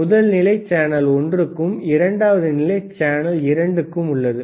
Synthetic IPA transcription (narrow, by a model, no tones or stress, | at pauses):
ʊðɐlnɪlɐɪt͡ʃːaːnɐlɔndrɯkːɯmɪɾɐɳɖaːʋɐðɯnɪlɐɪt͡ʃaːnɐlɪɾɐɳɖɯkːɯmʊɭːɐðɯ